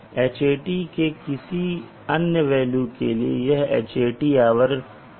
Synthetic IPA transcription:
eːt͡ʃeːʈikekɪsi | ɐnjəʋɛːlukeliḛjɐɦḛːt͡ʃeːʈiaːʋəɾ

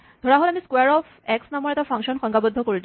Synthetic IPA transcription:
d̪ʱɔɹaɦolamiskwaɹɔfʰɛksnamɔɹɛtapʰɔŋkʃɔnxɔŋɡabɔd̪ʱːɔkoɹil

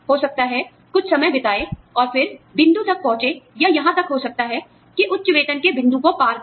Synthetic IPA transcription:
ɦoːsɐk̚t̪aɦɛ | kʊt͡ʃʰsɐməjbɪt̪aːeɔːɾfɪɾbʱɪ̃nd̪ut̪ɐk̚pɔ̃ɦʊ̃t͡ʃejajɐɦãt̪ɐkɦosɐk̚t̪aɦɛ | kiʔʊtːt͡ʃʊʋeːt̪ənkebʱɪ̃nd̪ũkopaːɾ

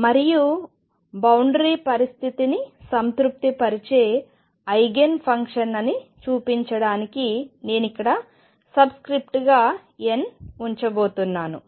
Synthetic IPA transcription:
mɐɾiju | bɐwɳɖɾiːpɐɾist̪ʰit̪inisɐnt̪ɾup̚t̪ipɐɾit͡ʃe̞ː | ɐjɡenpʰɐŋkʂɐnɐnit͡ʃuːpiɲt͡ʃɐɽaːnikine̞ːnikːɐɽɐ | sɐbskɾip̚ʈɡaː | enuɲt͡ʃɐbo̞ːt̪unːaːnṵ

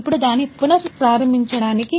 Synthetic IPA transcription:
pːuɽud̪aːnːipːunɐpɾaːɾɐmbʱiɲt͡ʃɐɽaːniki

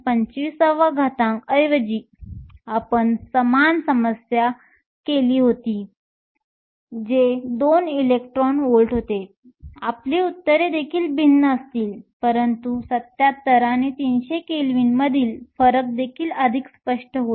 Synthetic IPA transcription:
pəɲt͡ɕisəʋəɡʱat̪ãŋkəjʋəd͡ʑiː | apəɳsəmansəməsja | keliːɦot̪iː | d͡ʑed̪onilek̚ʈɾɔnolʈɦot̪e | apleut̪ːəɾed̪ekʰiːlbinːəəst̪iːlpəɾənt̪usət̪jat̪ːəɾanet̪inɕekelʋiːnməd̪ʱiːlfəɾək̚d̪ekʰiːləd̪ʱikspəʂʈəɦo

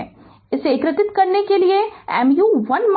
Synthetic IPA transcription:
ɛ̃ | ɪsekɾɪt̪ɪt̪kɐɾnekelieɛ̰ːmjuʋɐnm

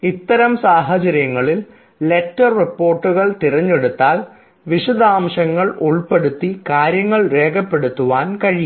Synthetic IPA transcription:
it̪ːɐɾɐmsaːɦɐt͡ɕɐɾjɐŋːɐɭil | le̞tːɐrːipːo̞ːrʈːuɣɐɭt̪irɐɲːe̞ɽut̪ːaːl | ʋiʂud̪aːmɕɐŋːɐɭuɭpe̞ɽut̪ːikaːɾjɐŋːɐɭre̞ːɡɐpːeɽut̪ːuʋaːnkɐɻij

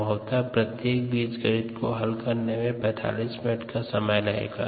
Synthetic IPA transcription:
əʊt̪apɾət̪jeːk̚biːd͡ʒɡəɾidkoɦɐlkəɾnemẽbɛːt̪ʰa̰ːliːsmɪnəʈʰkasɐməjlaḛːɡa̰ː

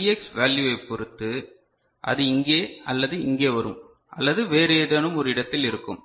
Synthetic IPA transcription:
iɛksʋaːljuɐɪpːɔɾɯt̪ːɯ | ʔɐ̰ðɯɪŋɡeːɐlːɐðɯɪŋɡeːʋɐɾɯm | ʔɐ̰lːɐðɯʋeːɾeːðɐnɯmɔɾɯɪɽɐt̪ːɪlɪɾɯkːɯ̰m

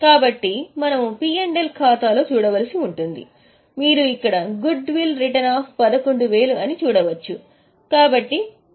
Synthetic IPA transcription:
kaːbɐʈːimɐnɐmupiːeɳɖelkʰaːt̪aːlo̞ːt͡ʃuːɽɐʋɐlisiuɳʈund̪ḭ | miːɾuikːɐɽɐɡuɖʋilɾiʈɐnaːpʰpɐd̪ɐko̞ɳɖuʋe̞ːluɐnit͡ʃuːɽɐʋɐt͡ʃːu | kaːbɐʈːi

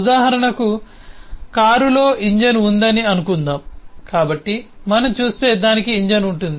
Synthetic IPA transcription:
d̪aːɦɐɾɐɳɐku | kaːɾulo̞ːiɲd͡ʒɐnund̪ɐniɐnukund̪aːmkaːbɐʈːimɐnɐmt͡ʃuːst̪e̞ːd̪aːnikiːɲd͡ʒɐnuɳʈund̪ii

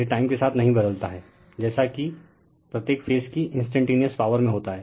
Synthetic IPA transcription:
ɾiʈaːɪmkesaːt̪ʰnɐɦĩbɐd̪əlt̪aɦɛː | d͡ʒɛːsaki | pɾɐt̪jeːkfeːskiɪ̃nsʈɛ̃ɳʈeːnijəspaːʋəɾmẽɦoːt̪aɦɛː

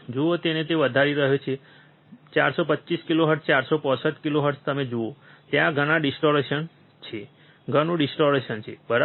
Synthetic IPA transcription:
d͡ʒoot̪enet̪eʋəd̪ʱaɾiɾəɦjot͡ʃʰe | t͡ʃaɾsopətːt͡ʃiskiloɦəɾʈst͡ʃaɾsopɔ̃səʈ̪kiloɦəɾʈst̪əmed͡ʒoot̪jãɡʱəɽ̃aɖisʈoɾeʃən | t͡ʃʰe | ɡʱənũɖisʈoɾeʃənt͡ʃʰḛbəɾ

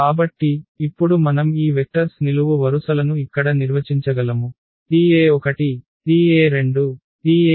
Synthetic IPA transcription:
kaːbɐʈːiːpːuɽumɐnɐmiːʋek̚ʈɐɾsniluʋuʋɐɾusɐlɐnuikːɐɽɐniɾʋɐt͡ʃiɲt͡ʃɐɡɐlɐmu | diːeːɔkɐʈi | tiːeːɾe̞ɳɖu | diːe

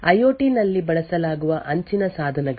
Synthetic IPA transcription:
ɐjoːʈinɐlːibɐɭɐsɐlaːɡuʋɐʔɐɲt͡ʃinɐsaːd̪ʱɐnɛɡ

